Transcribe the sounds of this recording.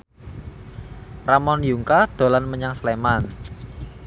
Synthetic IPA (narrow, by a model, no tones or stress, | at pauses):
ramɔnjuŋkaɖ̥o̤lanməɲaŋsleman